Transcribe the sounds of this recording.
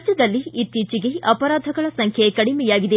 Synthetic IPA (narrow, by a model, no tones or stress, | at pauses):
t͡ʃːɐd̪ɐlːiːt̪ːiːt͡ʃiɡeʔɐpɐɾaːd̪ʱɐɡɐɭɐsɐŋkʰjekɐɽimɛjaːɡid̪e